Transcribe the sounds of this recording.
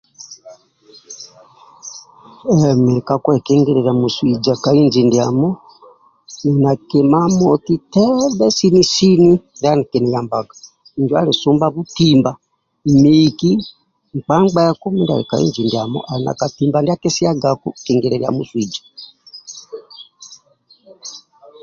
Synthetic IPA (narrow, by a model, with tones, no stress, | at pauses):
ɛmɛ˨ɛ˨kakɔɛ˨kɛ˦ŋɡɛ˦ɾɛɾa˨mu˨swi˨d͡ʒa˨ka˨i˦ɲd͡ʒindiamɔ˦ | ɛ˨na˨kɛ˨ma˦mɔ˨ti˦tɛ˦bɛ˦si˦ni˦si˦ni˦ða˦ni˨kɛ˨ni˨la˨mba˨ɡa˨ | i˨ɲd͡ʒwa˦li˨su˦mbaβu˦timba | i˨miki˦ | ŋ̩˨k͡pa˦ŋɡ͡bɛ˦kɔ˦mɛ˦nda̰lɛ̰˨ka˨ḭ˦nd͡ʒi˨ndia˨mɔ̰˦ʔa˨i˨na̰˨ka˨timba˨ndi˦a˦kɛ˦si˦a˦ɡaku˦kɛŋɡɛɾɛɾia̰˨mu˦swi˨d͡ʒḁ˨